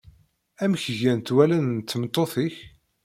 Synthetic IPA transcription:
æmçʝænt̪wælænt̪ːəmt̪ˤːoθiç

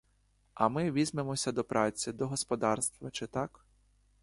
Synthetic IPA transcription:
ɐmɪʋʲizʲmemɔsʲɐd̪ɔpɾʔɑt͡sʲid̪ɔɦɔspɔd̪ɑrst̪ʋɐt͡ʃɪt̪ɑk

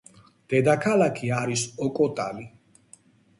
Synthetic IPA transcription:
d̪̥ɛd̪akʰalakʰiaɾisɔkʼɔt̪ʼali

